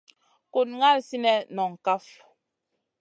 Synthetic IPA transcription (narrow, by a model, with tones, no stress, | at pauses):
ku˨nŋa˦lsi˦nɛ˦nɔ˨ŋ˨ka˦f